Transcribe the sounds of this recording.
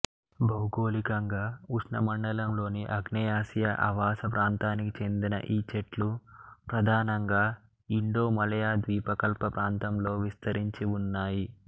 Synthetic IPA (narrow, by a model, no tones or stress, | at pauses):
bɐwɡo̞ːlikɐŋɡaːuʃnɐmɐɳɖɐlɐmlo̞ːniʔɐɡnɐjaːsijɐʔɐ̰ʋaːsɐpɾaːnt̪aːnikit͡ʃe̞nd̪inɐ̰ʔiːt͡ʃeʈlupɾɐd̪ʱaːnɐŋɡaː | iɳɖoːmɐlɐjaːd̪ʋiːpɐkɐlpɐpɾaːnt̪ɐmlo̞ːʋist̪ɐɾiɲt͡ʃiunːaːji